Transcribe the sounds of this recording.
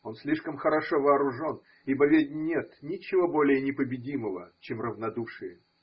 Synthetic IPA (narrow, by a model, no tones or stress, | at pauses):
o̞nsʲlʲiʂkəmxəɾɐʂovɐːɾʊʐo̞n | ibɐvʲedʲnʲet̪nʲɪt͡ɕːɪvobo̞lʲɪjənʲɪpəbʲɪdʲiməvə̰t͡ɕemrəvnɐd̪uʂɨjə